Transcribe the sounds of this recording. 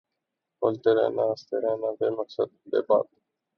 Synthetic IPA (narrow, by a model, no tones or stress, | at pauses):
olt̪eːɾḛ̃ːnãːəst̪eːɾeːnãːbeːməksəd̪̚bḛːba̰ːd̪